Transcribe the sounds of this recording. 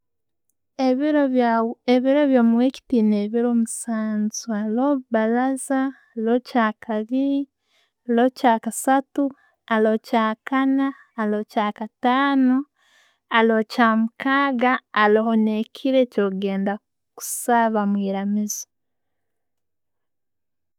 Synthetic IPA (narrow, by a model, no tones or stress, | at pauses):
eβiɾoβjoːmuweci̥tineβiɾomusaːnzualoβalaza | locaːkʰaβi | locaːkasatu | alocaːkanaː | locaːkataːno | alocaːmukaːɡaːlohonekʰiɾecoɡe̞ːnda | ku̥saβamwiːɾamizi̥